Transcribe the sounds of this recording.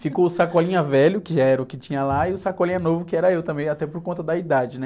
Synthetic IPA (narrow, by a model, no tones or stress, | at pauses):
fikoʊsakɔlĩɲɐvɛlʊkɪʒaɛɾɐʊkɪt͡ʃĩɲɐlaɪʊsakɔlĩɲɐnovʊkɪɛɾɐewt̪ɐ̃mbẽj̃at̪ɛpoɾkõnt̪ɐd̪ɐid̪ad͡ʒɪnɛ